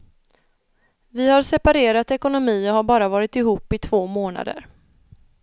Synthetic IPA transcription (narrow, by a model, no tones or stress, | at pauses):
vɪhaɾsɛpaɾeːɾat̪ɛkʊnʊmiːɔɦaɾbɑːɾavɑːɾɪt̪ɪɦuːpːɪt̪ʰv̥oːmoːna̰d̪ə̰ɾ